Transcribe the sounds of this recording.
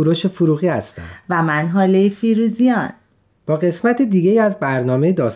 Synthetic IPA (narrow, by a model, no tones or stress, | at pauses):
uɾoʃefuɾuɣiːhæst̪æ̰̥væmænɦɒːlejfiɾuzijɒn | b̥ɒːɣe̞smæt̪ʰid̪iːɟeiːæzbæɾnɒːme̞jed̪ɒːs